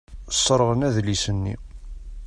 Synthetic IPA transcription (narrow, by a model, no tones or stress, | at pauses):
sˤːɾˤʁənæðlisənːḭ